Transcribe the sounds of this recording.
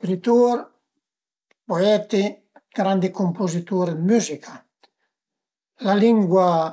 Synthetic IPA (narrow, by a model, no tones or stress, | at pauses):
kɾit̪uɾ | poɛt̪e | ɡ̥ɾand̪ikompozit̪uɾed̪myzika | laliŋɡwa